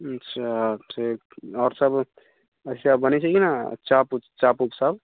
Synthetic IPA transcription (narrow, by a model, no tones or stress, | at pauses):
ətːʃʰaʈʰikɔːɾsəb | ətʰisabbənɛt͡ʃʰəkina̰t͡ʃaput͡ʃapupsəb